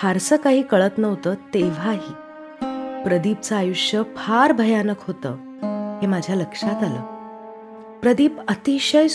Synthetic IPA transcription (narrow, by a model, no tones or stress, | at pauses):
fʰaɾsəkaɦiːkəɭət̪nəʋt̪əːt̪eʋ̤aɦiː | pɾəd̪iːp̚t͡saːjuʂjəpʰaɾbʱəjanəkɦot̪ə̰ː | ɦemad͡ʑʱjaləkʂat̪alə̰ː | pɾəd̪iːpət̪iɕəj